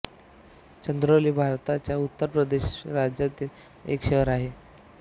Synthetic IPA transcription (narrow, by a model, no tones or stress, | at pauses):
t͡ɕənd̪ɾoliːbʱaɾt̪at͡ɕjaut̪ːəɾpɾəd̪eɕɾad͡ʑjat̪iːl | ḛkɕeʋəɾaɦe